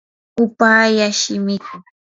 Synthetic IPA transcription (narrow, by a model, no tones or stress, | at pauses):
ʊpaːjaʃɪmɪkʊ